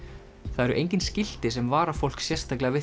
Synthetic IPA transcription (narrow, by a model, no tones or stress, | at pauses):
θaðɛɾʏʔejɲc̬ʲɪnscɪl̥t̪ɪsɛmvaːɾafowl̥ksjɛr̥st̪ʰaklɛɣavɪ